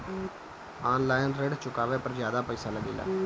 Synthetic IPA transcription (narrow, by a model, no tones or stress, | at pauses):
aːnlaːjɪnɾeɖt͡ʃʊkaːʋeːpəɾzjaːd̪aːpəiːsaːləɡiːla̰ː